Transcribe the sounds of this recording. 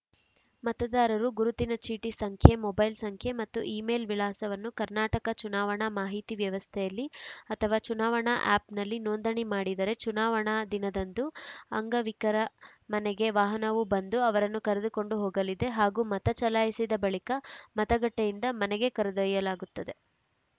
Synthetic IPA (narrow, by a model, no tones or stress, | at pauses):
mɐt̪ɐd̪aːɾɐɾuɡuɾut̪inɐt͡ʃiːʈisɐŋkʰjemɔbɐjlsɐŋkʰjemɐt̪ːuʔiːmeːlʋilaːsɐʋɐnːukɐɾnaːʈɐkɐt͡ʃunaːʋɐɳɐmaːɦit̪iʋjɐʋɐst̪ʰɛjɐlːiɐt̪ʰɐʋaːt͡ʃunaːʋɐɳɐʔa̰ːpnɐlːinoːnd̪ɐɳimaːɽid̪ɐɾe̞t͡ʃunaːʋɐɳad̪inɐd̪ɐnd̪uɐŋɡɐʋikɐɾɐmɐnɛɡe̞ʋaːɦɐnɐʋubɐnd̪uɐʋɐɾɐnːukɐɾed̪uko̞ɳɖuɦoːɡɐlid̪e̞ɦaːɡuːmɐt̪ɐt͡ʃɐlaːjisid̪ɐbɐɭikɐmɐt̪ɐɡɐʈːejind̪ɐmɐnɛɡe̞kɐɾed̪uɐjɐlaːɡut̪ːɐd̪e̞